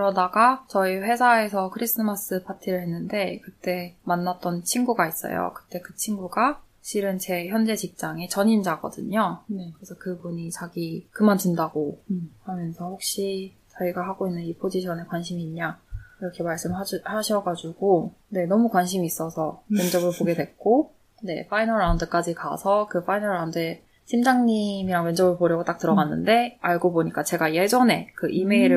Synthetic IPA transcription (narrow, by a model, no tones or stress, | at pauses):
kɾʌdaɡat͡ɕʌiɸwe̞sʰae̞sʰʌkʰɯɾis͈ɯmas͈ɯpʰatʰiɾɯɭɦe̞nːɯnde̞kɯt͈e̞manːat͈ʌnt͡ɕʰinɡuɡais͈ʌ̰jo̰kɯ̥t͈e̞kɯt͡ɕʰinɡuɡa | ɕʰiɾɯnt͡ɕe̞çjʌnd͡ʑe̞t͡ɕik̚t͡ɕ͈aŋe̞t͡ɕʌɲind͡ʑaɡʌ̰dɯ̰ɲonekɯɾesʰʌkɯbuɲit͡ɕaɡikɯmantundaɡ̥ohamjʌnsʰʌɸok̚ɕ͈i | t͡ɕaɡiɡaɦaɡoinːɯnipʰod͡ʑiɕʰʌne̞kwanɕ̬ʰimiːɲɲaiɾʌkʰe̞maɭs͈ɯmahaɕʰʌɡad͡ʑuɡo | ne̞nʌmukwanɕ̬ʰimiːs͈ʌsʰʌmjʌnd͡ʑʌbɯɭpoɡe̞dwe̞k̚k͈o | ne̞̰fʰainʌɾawundɯk͈ad͡ʑika̰sʰʌkɯfʰainʌɾaundɯe | ɕʰimd͡ʑaŋɲimiɾaŋmjʌnd͡ʑʌbɯɭpoɾjʌɡot͈ak̚tɯɾʌɡanːɯ̰nde̞aɭɡoboɲik͈at͡ɕe̞ɡajed͡ʑʌne̞kɯʔime̞iɾɯ